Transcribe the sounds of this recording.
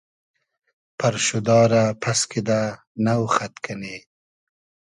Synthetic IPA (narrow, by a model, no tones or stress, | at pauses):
paɾʃud̪ɑːɾapʰaskid̪a | nawxat̪kʰane